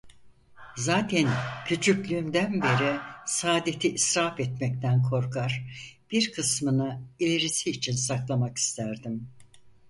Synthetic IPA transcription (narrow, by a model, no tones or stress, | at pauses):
zaːt̪ʰæncʰyt͡ʃʰyclʲyːmd̪ænbe̞ɾɛsaːd̪et̪ʰiʔːsɾafɛt̪mɛc̚t̪ʰænkʰo̞ɾkʰaɾ̥b̥iɾkʰɯsmɯnɯilʲeɾisiːt͡ʃʰinsaklˠamaki̥st̪ʰæɾd̪im